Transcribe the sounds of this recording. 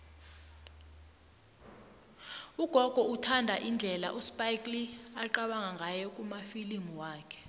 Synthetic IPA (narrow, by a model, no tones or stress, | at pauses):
uɡ̥ʱɔɡ̥ʱɔutʰandʱaʔind͡ɮʱɛla̰ʔuspʼajkʼliaǃaɓaŋaŋɡʱajɔkʼumafilimuwaːkʰɛ̥